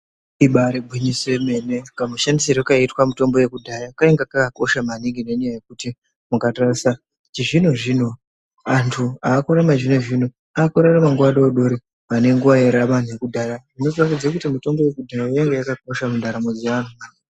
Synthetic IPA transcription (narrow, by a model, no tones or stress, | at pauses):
iɓaɾebʱiɲise̞me̞ne̞kamuʃandisiɾokaitwamuto̞mbo̞je̞kudʱajakaeŋɡakakako̞ʃamaniŋɡine̞ɲajaje̞kuti | mukatarsa | t͡ʃiʐin̤uʐin̤o | antʰuaːkoɾamad͡ʒinoʐin̤u | aːkoɾaramaŋɡuwaɗooɗo̞ɾi | ane̞ŋɡuwajeɾaman̤e̞kudʱaɾaʐinoturatid͡zakutimito̞mbo̞je̞kudʱajajaŋɡejakak̚o̞ʃamundʱaɾamod͡zianuma